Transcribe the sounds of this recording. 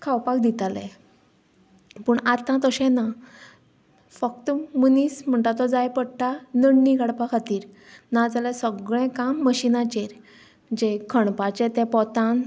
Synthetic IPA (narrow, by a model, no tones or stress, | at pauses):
kʰawpakd̪it̪alḛ̃ | pəːɳat̪ãt̪əɕɛ̃na | fək̚t̪əmənism̤əɳʈ̪at̪ɔd͡zajpəɽʈanəɽniɡaɽpakʰat̪iːɾ | nad͡zalɛ̃səɡɭɛ̃kamːəɕinãt͡ɕeɾ | d͡ʑekʰəɳpat͡ɕẽt̪ɛ̃pɔt̪ãn